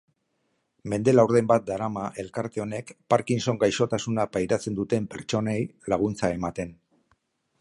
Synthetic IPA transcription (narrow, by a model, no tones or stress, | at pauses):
me̞nd̪e̞lawɾðe̞mbat̪̚d̪aɾamaʔe̞lkaɾt̪e̞o̞ne̞kpaɾkinso̞ŋɡajʃo̞t̪asunapajɾat͡se̞nd̪ut̪e̞mpe̞ɾt͡ʃo̞nejlaɣ̞unt͡sae̞mat̪e̞n